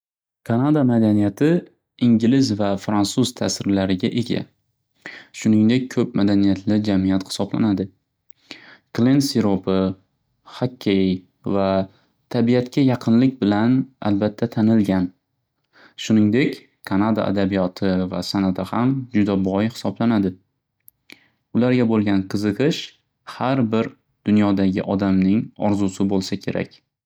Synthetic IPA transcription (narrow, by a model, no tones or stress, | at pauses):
kʰanad̪amad̪anijat̪ʰɪ | ɪŋɡʲlɪzvafɾansuz̥t̪ʰasɪɾlaɾɪɡʲaʔe̞ɡʲa̰ | ʃʊnɪŋd̪e̞k̚ʲkʰɵp̚mad̪anijat̪ʰlɪd͡ʒamijat̪hɪ̥sɒbla̰nad̪ɪ | klensiɾopʰɪ | hakʲʰːe | va | t̪ʰabijat̪kʲʰajɑqʰɨnlɪk̚ʲbɪlana̰lbat̪ʰːat̪ʰanɪlɡʲan | ʃʊnɪŋd̪ekʲ | kʰanad̪a̰ʔa̰d̪abijɒt̪ʰɪva̰sanat̪ʰɪhamd͡ʒʊd̪abɒjhɪ̥sɒblanad̪ɪ | ʊlaɾɡʲabolˠɡʲanqʰɨzɨqɨʃ | haɾbɪɾ | d̪̥ʊnjɒd̪aɡʲɪ̰ʔɒd̪amnɪŋɒɾzʊsɪbolˠsakʲʰe̞̰ɾʔa̰kʲ